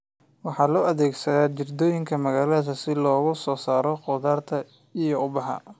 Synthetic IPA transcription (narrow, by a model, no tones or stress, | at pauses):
wɑħɑːlɔːʔɐðɛːɡsɐðaːt͡ʃɪrd̪ɔːjɪŋkʰɐmɐɣaːlɐðɐsɪlɔːɣʊsɔːsaːɾɔqɔðaːrt̪ʰɐ | ijɔʊbɑɦɐ̰